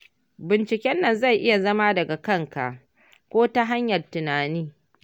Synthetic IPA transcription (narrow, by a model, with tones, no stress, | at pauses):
bɪ˨nt͡ʃɪ˨kʲɛ˦nːɐ˦˨nza˦˨jʔɪ˦ja˨zɐ˦ma˦dɐ˨ɡa˨kɐ˦˨ŋka̰˨ʔ | kʷoː˦ta˦ɦa˦ɲjɐ˨rtɪ˨naː˨niː˦